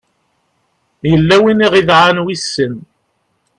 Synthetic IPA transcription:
jəlːæwiniʁiðʕanwisːən

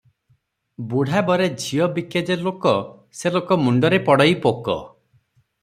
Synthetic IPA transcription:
buɽ̤abɔɾed͡ʒʱiɔbiked͡ʒelokɔ | selokɔmuɳɖɔɾepɔɽɔjpokɔ̰

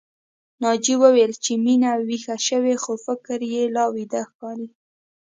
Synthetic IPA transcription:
nɑd͡ʒiwəwelt͡ʃeminawixaʃəwexofɪkɾjelɑwid̪axkɑɾi

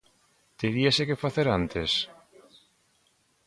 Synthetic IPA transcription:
t̪eɾiasekefaθeɾant̪es

